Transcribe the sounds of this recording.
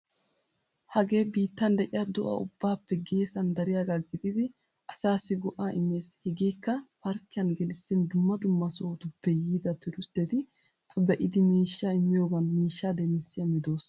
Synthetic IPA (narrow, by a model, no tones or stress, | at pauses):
hɐɡe̞ːbiːt̪ːɐnd̪ɛʔɪjɐd̪ʊʔɐ̰ʊ̰bːaːpːɛɡe̞ːsɐnd̪ɐɾɪjaːɡaːɡɪd̪ɪd̪ɪ | ʔɐsaːsɪɡʊʔaːɪmːeːshɛɡeːkːɐfɐɾkːɪjɐnɡɛlɪsːɪnd̪ʊmːɐd̪ʊmːɐsoːt̪ʊpːɛjiːd̪ɐt̪ɪɾʊst̪ɛt̪ɪ | ʔɐbɛʔɪd̪ɪmiːʃːaɪmːɪjoːɡɐnmiːʃːaːd̪ɛmɪsːɪjɐmɪd̪o̞ːs